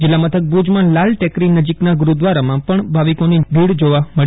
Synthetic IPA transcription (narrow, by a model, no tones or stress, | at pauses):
d͡ʒɪlːamət̪ʰək̚bud͡ʒmãlalʈɛkɾinəd͡ʒiknaɡʊɾud̪ʋaɾamãpəɳbʱaʋikonibʱiɽd͡ʒoʋaməɭi